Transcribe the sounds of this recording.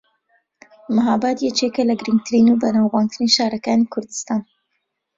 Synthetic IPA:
maɦaːbat̪jɛt͡ʃeːkɐlɐɡɨɾɨŋɡ̚t̪ʰɨɾiːnubɐnaːwwaːnt̪ʰɨniʃaːɾɐkaːnikʰʊɾd̪ɨ̥st̪aːn

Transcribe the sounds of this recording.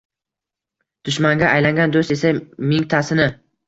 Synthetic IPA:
d̪̥ʊʃmaŋɡʲaajlaŋɡʲand̪ost̪e̞samɪŋt̪ʰasɪnɪ

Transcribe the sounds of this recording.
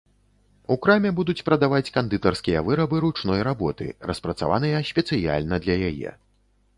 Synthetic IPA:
ukɾamʲɛbud̪ut͡sʲpɾɐd̪avat͡sʲkand̪ɨt̪ɐrskʲijɐvɨɾɐbɨɾut͡ʂnɔjɾabɔt̪ɨ̰rɐspɾɐt̪sa̰va̰nɨjɐɕʲpʲɛt̪sɨja̰lʲnɐd̪lʲɐjajɛ̰

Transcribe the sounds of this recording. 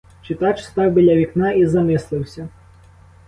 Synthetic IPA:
t͡ʃɪt̪ɑt͡ʃst̪ɑwbɪlʲɐʋʲiknɑizɐmɪslˠɪwsʲɐ

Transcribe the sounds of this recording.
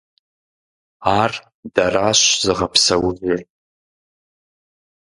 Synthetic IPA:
ar | d̥araʃʷzɨʁapʰsawvɪrʼ

